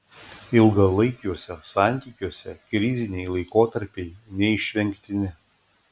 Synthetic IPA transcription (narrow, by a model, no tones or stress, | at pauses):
ɪlˠɡɐlˠɐɪkʲjuɔsʲɛsɑˑnʲt̪ʲiːkʲuɔsʲɛkɾʲɪzʲɪnʲɛɪlˠɐɪkoːt̪ɐɾʲpʲɛɪnʲɛɪʃʲʋʲɛŋʲkʲt̪ʲɪnʲɪ